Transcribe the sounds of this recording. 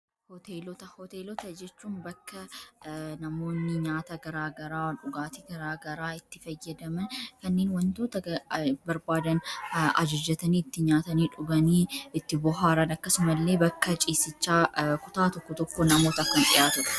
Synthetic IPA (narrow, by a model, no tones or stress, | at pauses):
hɔt̪eːlɔt̪ɐhɔt̪eːlɔt̪ɐd͡ʒɛt͡ʃːuːnbɐkːɐ | nɐmo̞ːnːɪɲaːt̪ɐɡɐɾaːɡɐɾaːwnᶑʊɡaːt̪iɡɐɾaːɡɐɾaːɪt̪ːɪfɐjːɐd̪ɐmɐnkɐnːe̞ːnwɐnt̪o̞ːt̪ɐbɐɾbaːd̪ɐnɐ̰d͡ʒɐd͡ʒːɐt̪ɐniːɪt̪ːɪɲaːt̪ɐniːᶑʊɡɐniːɪt̪ːɪbɔɦaːɾɐnɐkːɐsʊmɐlːe̞ːbɐkːɐt͡ʃʼiːsɪt͡ʃːaːkʊt̪aːt̪ɔkːɔt̪ɔkːoːnɐmoːt̪ɐɐkːɐnᶑɪ̰jaːt̪ʊɾɐ̥